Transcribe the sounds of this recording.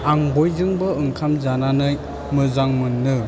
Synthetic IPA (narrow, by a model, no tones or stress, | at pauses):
aŋbojzɯŋbɯɯŋkʰamzananɯj | mɯzaŋmɯnːɯ